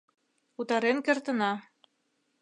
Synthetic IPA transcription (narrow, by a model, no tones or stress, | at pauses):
ut̪ɑɾenkĕrt̪ə̆nɑ